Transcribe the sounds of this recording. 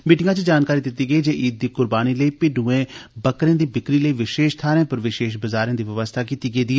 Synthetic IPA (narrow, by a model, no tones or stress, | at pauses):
miːʈɪŋɡãːt͡ʃəd͡ʒaːnkaːɾiːd̪ɪt̪ːiːɡəiːd͡ʒeːʔiːd̪̚ːiːkʊɾbaːniːləiːpɪɖuːẽːbəkɾẽːd̪iːbɪkɾiːləiːʋɪʃeːʃt̪ʰaːɾẽːpəɾʋɪʃeːʃbəzaːɾẽːd̪iːʋəʋəst̪ʰaːkiːt̪iːɡəiːd̪iː